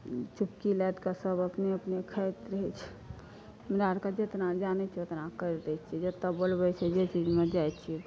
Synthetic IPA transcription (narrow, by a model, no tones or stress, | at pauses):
t͡ʃupkilɛt̪kasəbəpneəpnekʰəjt̪ɾəɦɛt͡ʃʰ | mɾaɾkad͡ʒet̪nad͡ʒanɛt͡ʃʰiot̪nakəɾd̪ɛt͡ʃʰid͡ʒet̪əbəlbəjsɛd͡ʒet͡ʃid͡ʒmed͡ʒajt͡ʃʰi